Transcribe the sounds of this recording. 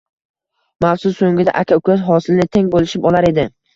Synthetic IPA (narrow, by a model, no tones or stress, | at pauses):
mafsʊsːoŋɡʲɪd̪a̰ʔakʲʰaʊkʰʲazɦɒsɪlnɪt̪ʰeŋbolɪʃɪpɒlaɾe̞d̪ɪ